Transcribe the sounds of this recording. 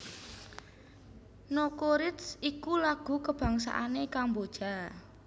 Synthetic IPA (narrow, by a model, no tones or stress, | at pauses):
nokoɾɪt̪sikulaɡ̥ṳkəb̥a̤ŋsa̰ʔanekambod̥ʒ̥a̤